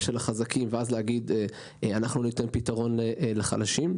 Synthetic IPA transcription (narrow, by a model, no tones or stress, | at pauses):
ʃelaχazakimveazleaɡid̪e | anaχnunitenpitaʁo̞neʔleχa̰laʃim